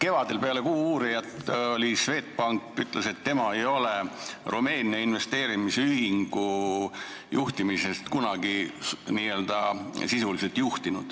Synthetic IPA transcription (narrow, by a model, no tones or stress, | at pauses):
ke̞vɑd̪e̞lpe̞ɑle̞kuːuːɾijɑt̪olʲisve̞ːt̪̚ˑpɑŋkːyt̪ˑlʔe̞se̞t̪ːe̞mɑe̞jo̞le̞rume̞ːniɑinve̞st̪e̞ːɾimiseyɦhiŋɡ̥u | juht̪imise̞st̪kunɑɡiniːø̞ːld̪ɑsisuliselt̪juht̪inud̪̥